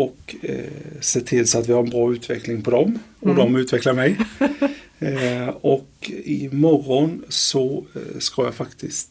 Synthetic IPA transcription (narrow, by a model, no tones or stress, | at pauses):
ɔk | seːt̪ʰɪlsɔat̪ʋɪhaɾɛnbɾɑːʉːt̪ʰʋɛklɪŋpʰɔd̪ɔmɔd̪ɔmʉːt̪ʋɛkləɾmæɪ | ɔkɪmɔrːɔnsɔskɑːjæɪfakt̪ʰɪsk